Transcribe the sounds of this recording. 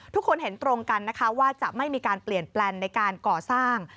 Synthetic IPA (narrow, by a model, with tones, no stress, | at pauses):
t̪ʰu˦˥kʰːo˧nɦe˩˦nt̪ɾo˧ŋka˧nːa˦˥kʰa˦˥waː˥˩t͡ɕa˨˩ʔma˥˩jmiː˧kaː˧npli˨˩ənplɛː˧ŋna˧jkaː˧nkɔː˨˩saː˥˩ŋ